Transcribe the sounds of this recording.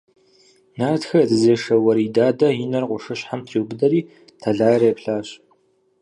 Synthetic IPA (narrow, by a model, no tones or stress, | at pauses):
naːrtxɐdɨzeːʂɐwɐɾiːdaːdɐjɪnɐrqʷʊʂɨɕħamtʰewbɨdɐɾiː | tʰɐɮaːjɾeːpɬaːɕ